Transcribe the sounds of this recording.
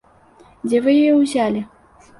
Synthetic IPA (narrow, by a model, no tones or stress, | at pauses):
d͡zʲɛvɨjɔjɔwzʲalʲi